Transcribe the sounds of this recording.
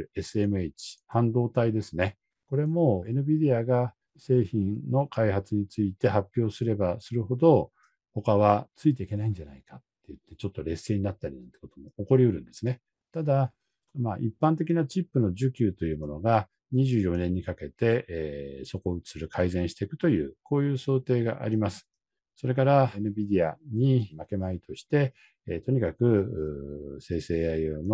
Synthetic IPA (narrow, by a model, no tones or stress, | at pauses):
e̞sɨe̞mɯet͡ɕi̥hãnd̪o̞ːt̪aid̪e̞sɨne̞ | ko̞ɾe̞mo̞e̞nɯ̟bʲid̪e̞aɡa | se̞ːçĩnno̞kʰaihat͡sɨɲ̟it͡sɨit̪e̞hapʲːjo̞ːsɨɾe̞basɨɾɯ̟ho̞d̪o̞ | ho̞kaβ̞at͡sɨit̪̬e̞ike̞naĩɲ̟d͡ʑana̰ikat̪ːe̞jɯ̟t̪ːe̞t͡ɕo̞t̪ːo̞ɾe̞sːe̞ːɲ̟inat̪ːaɾʲinãnt̪e̞̥kot̪omo̞oko̞ɾʲiɯ̟ɾɯ̟̃nd̪̥e̞sɨne̞ | t̪ad̪a | maʔipːãnt̪̬e̞kʲinat͡ɕipːɯ̟no̞ʑɨkʲɨːt̪o̞jɯ̟ːmo̞no̞ɡa | ɲ̟iʑɨːjo̞nẽ̞ɲ̟ːikake̞t̪e̞ʔso̞ko̞ɯi̥sɨɾɯ̟kʰaizẽɰ̃ɕi̥t̪e̞kɯ̟̥t̪o̞jɯ̟ːko̞ːjɯ̟ːso̞ːt̪e̞ːɡa̰ʔa̰ɾʲimasɨ̥ | so̞ɾe̞kaɾanɯ̟bʲid̪ʲiaɲ̟imake̞mait̪o̞ɕi̥t̪e̞ | t̪o̞ɲ̟ikakɯ̟ɯse̞ːse̞ːaiono